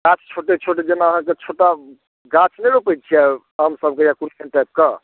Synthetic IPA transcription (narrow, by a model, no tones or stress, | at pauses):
ɡãt͡ʃʰt͡ʃʰoʈet͡ʃʰoʈ̬ed͡ʒenaəɦãket͡ʃʰoʈa | ɡãt͡ʃʰnəjɾopət͡ʃʰiɛ | ɦəmsəb̚kejãkunkʰenʈap̚kə